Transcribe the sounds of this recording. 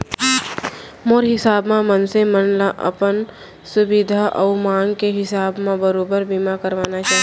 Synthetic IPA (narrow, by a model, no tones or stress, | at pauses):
moːɾɦɪsaːbmẽmənsemənlaʔə̰pən | sʊbɪd̪ʱaʔɔːmaːŋɡkeɦɪsaːbmẽbəɾoːbəɾbimakəɾʋaːnat͡ʃaːɦ